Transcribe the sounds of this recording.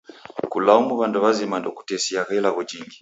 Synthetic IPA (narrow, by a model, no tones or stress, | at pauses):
kulaumuβandɔβazimandɔku̥tɛsiakɛlaɣɔd͡ʒiŋɡi